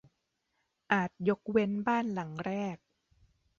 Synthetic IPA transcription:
ʔaː˨˩t̪̚jo˦˥k̚we˦˥nbaː˥˩nla˩˦ŋɾɛː˥˩k̚

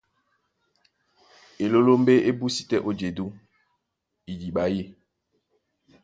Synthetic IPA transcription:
e˨lo˦lo˦mbe˦ʔe˦bu˦si̥˨tɛ˦ʔo˦d͡ʒe˨du˦ | i˨d͡ʒi˨ɓa˨je˦

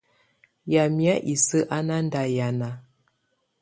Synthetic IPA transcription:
ja˨mi˨˦a˦ʔi˨sə˦ʔa˦na˦n˦da˨ja˨na˨

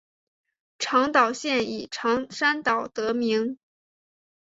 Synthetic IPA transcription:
ʈ͡ʂʰɑ˧˥ŋt̪ɑ˨˩ʊɕjɛ˥˧˩ni˨˩ʈ͡ʂʰɑ˧˥ŋʂa˥nt̪ɑ˨˩ʊt̪ɤ˧˥mi˧˥ŋ

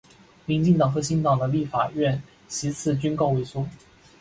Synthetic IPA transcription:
mi˧˥nt͡ɕi˥˩ŋt̪ɑ˨˩ŋxɤ˧˥ɕi˧˥ŋt̪ɑ˨˩ŋd̪ə˦li˥˩fa̰˨˩ɥɛ˥˩n | ɕi˧˥t͡sʰɹ̩˥˩t͡ɕy˥nko˥˧ʊwe˥˩ɪsu˥

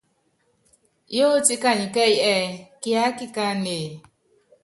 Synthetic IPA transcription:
jo˦ti˦ka˦˨ɲi˨kɛ˦i˦ɛ˦˨ki˦a˦ki˦ka˦ne˨

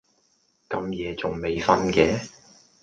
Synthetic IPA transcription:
kɐ˧mjɛː˨˧t͡sʊ˨˩ŋme˨jfɐ˦˥nkɛː˨˥

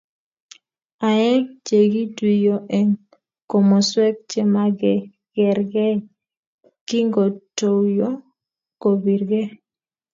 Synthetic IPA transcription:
a˨ɛ˦k̚d͡ʒe˨ɡi˦dwi˨jo˨ʔɛ˨ŋ | ko˨mɔ˨swɛ˦k̚t͡ʃɛ˦ma˦ɡɛ˨ | ɡ̥ɛ˨ɾɡɛ˦ | ki˦ŋɡo˨to˨wjo˦ | ko˨bi˨ɾɡɛ˦

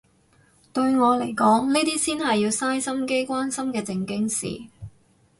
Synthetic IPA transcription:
t̪ɵ˧ɥŋɔː˨˧le˨˩jkɔː˨˥ŋniː˥t̪iː˥siː˥nɦɐ˨jːiː˧wsaː˥jsɐ˥mke˥jkʷaː˥nsɐ˥mkɛː˧t͡sɪ˧ŋkɪ˥ŋsḭː˨

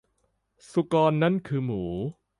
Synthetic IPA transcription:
su˨˩kɔː˧nːa˦˥˨nkʰɯː˧muː˩˦˩

